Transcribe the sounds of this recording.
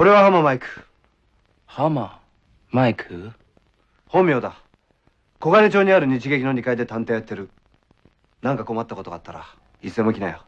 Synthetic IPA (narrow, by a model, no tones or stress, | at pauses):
ko̞ɾe̞β̞ahamamaikɯ̥ | hama | maikʰɯ | hõ̞mːʲjo̞ːd̪a | ko̞ɡaɾet͡ɕo̞ːɲ̟iaɾɯ̟ɲ̟it͡ɕiɡe̞kʲino̞ɲikaid̪e̞t̪ãnt̪e̞ːjat̪ːe̞ɾɯ̟ | nãŋkako̞mat̪ːako̞t̪o̞ɡaːt̪ːaɾa̰ | isɨemo̞kʲinajo